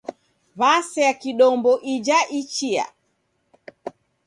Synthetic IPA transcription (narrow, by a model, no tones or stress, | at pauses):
βasɛakiɗɔmbɔʔid͡ʒaʔit͡ʃia̰